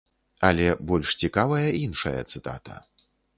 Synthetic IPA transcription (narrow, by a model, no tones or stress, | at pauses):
ɐlʲɛbɔlʲʂt͡sʲikavɐjɐʔinʂɐ̰jɐ̰t̪sɨt̪a̰t̪ʰɐ̰